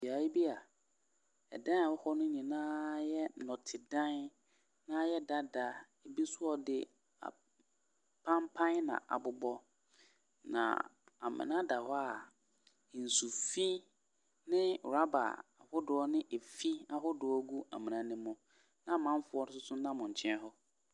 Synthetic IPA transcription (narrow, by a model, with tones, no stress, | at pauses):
bi˨a˨i˦bi˦a˨ | ɛ̰˨dã˦n˨a˨wɔ˦hɔ˦nʊ̃˦ɲĩ˨nãː˦jɛ˦nɔ̃˨tʰɪ˨dã˦n | nã˦jɛ˦da˦da˨ | e˨bi˦sʊ˦ɔ˦dɪ˦ | a̰˨ | pʰã˦mpʰã˦nnã̰˨ʔa̰˨bʊ˨bɔ˦ | nã̰˨a̰˨mɪ̰̃˨nã˦da˨hɔ˦a˨ | n̩˨su˨fi˦ | nɪ̃˦˨ɾa˦ba̰˨a˨hʊ˦dʊ˨ɔ˦nɪ̃˦ʔe˨fi˦a˦ɦʊ˦dʊ˨ɔ˦ɡu˦a˨mĩ˨nã˨nɪ̃˦mʊ̃˦ | nã˦mã˦m˦fʊ˦ɔ˦nɪ˦sʊ˦sʊ˦nã˦mʊ̃˨ɲ̩˨t͡ɕʰɛ̃˦n˦ɦɔ˦